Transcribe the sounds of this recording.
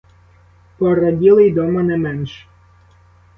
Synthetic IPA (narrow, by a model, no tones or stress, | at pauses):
pɔɾɐdʲilˠɪjd̪ɔmɐnɛmɛnʃ